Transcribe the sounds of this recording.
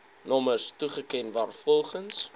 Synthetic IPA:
nɔməstuχəkɛnvɑːrfɔlˠχəns

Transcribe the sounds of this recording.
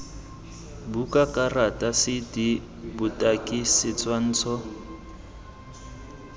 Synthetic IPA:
bukakʼaratʼasɪdi | bʊtʼakʼisɪt͡sʼwan̩ːt͡sʰɔ

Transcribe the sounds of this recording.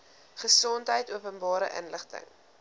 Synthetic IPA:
χəsɔntɦəjtuəpənbɑːɾə̰ʔə̰nləχtə̰ŋ

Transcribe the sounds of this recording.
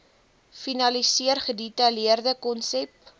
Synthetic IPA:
finɐlisiərχəditɐliərdəkɔnsɛp

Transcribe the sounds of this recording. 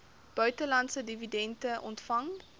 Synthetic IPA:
b̥œɥtəlɐntsədividɛntəʔɔ̰ntfɐŋ

